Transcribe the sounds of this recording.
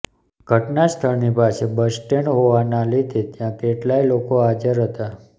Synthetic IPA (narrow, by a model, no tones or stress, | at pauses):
ɡʱəʈnast̪ʰəɭnipasebəsʈeɳɦoʋanalid̪ʱet̪jãkeʈlailokoad͡ʒəɾɦət̪a